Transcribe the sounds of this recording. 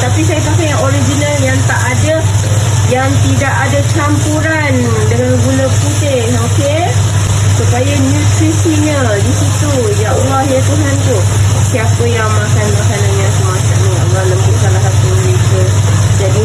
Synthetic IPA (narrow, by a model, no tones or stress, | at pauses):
t̪apisajapakajaŋoɾid͡ʒinaljaŋt̪aʔada | jaŋt̪idaʔadat͡ʃampuɾan | daŋanɡuləput̪ɪhoke | supajanũt̪ɾisiɲaə | disit̪u | jaʔawahɲat̪uɦant̪u | siapəjaŋmakanmakananɲaŋsəmat͡ʃa̰ʔnia̰bɾaləmt̪uʔsalaɦat̪̚ːumlikəd͡ʒadi